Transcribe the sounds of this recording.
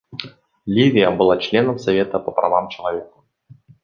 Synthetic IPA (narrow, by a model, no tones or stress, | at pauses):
lʲivʲɪjəbɨlˠat͡ɕlʲe̞nəmsɐvʲe̞t̪əpəprɐ̰vamt͡ɕɪlˠɐvʲe̞kə̥